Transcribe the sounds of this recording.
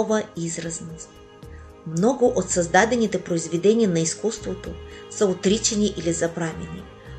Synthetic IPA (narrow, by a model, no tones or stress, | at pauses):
vəizɾɐznə | mnɔɡʊʔot̪sɐzd̪ad̪ɛnit̪ɛpɾoizvɛd̪ɛnʲiənɐiskust̪vot̪osəot̪ɾit͡ʃɛniʔilizɐpɾavʲɛnḭ